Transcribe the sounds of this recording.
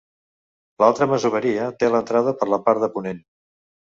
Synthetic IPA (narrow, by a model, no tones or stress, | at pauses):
lalˠt̪ɾəməzuβəɾiət̪elənt̪ɾaðəpəɾləpaɾðəpunen